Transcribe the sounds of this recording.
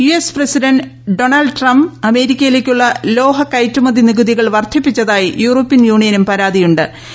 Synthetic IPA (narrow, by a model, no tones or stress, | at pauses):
juespresidɐnɖ | ɖo̞ɳɐlɖʈrɐmbɐme̞ːɾikʲːɐjile̞kʲːuɭːɐlo̞ːɦɐkɐjtːumɐðiniɣuðiɣɐɭʋɐrt̪ʰipːit͡ɕːɐðaːjijuːroːpːinjuːɳijɐnumpɐɾaːd̪ijuɳɖɨ